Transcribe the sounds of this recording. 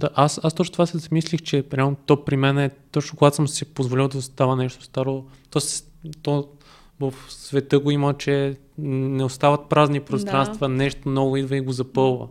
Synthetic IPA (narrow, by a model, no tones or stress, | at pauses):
d̪aʔasast̪ɔt͡ʃnot̪ovasɛzɐmislixt͡ʃɛpɾʲanot̪ɔpɾimɛnɛt̪ɔt͡ʃnʊkoʊɡat̪o̥smsipozvolʲilˠd̪ɐost̪avənɛʃt̪o̥st̪aɾot̪ɔst̪ɔ | vəfsvɛt̪ɤɡoimət͡ʃɛ | nɛost̪avɐt̪̚pɾaznipɾost̪ɾanst̪vənɛʃt̪omnɔɡʊid̪vəiɡozɐpɤlˠvə̰